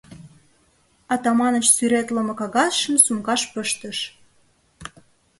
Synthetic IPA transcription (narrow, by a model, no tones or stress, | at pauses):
ɑt̪ɑmɑnəʃsyɾet̪lə̆mɤ̆kɑɣɑsʃə̆msumkɑʃpəʃt̪əʃ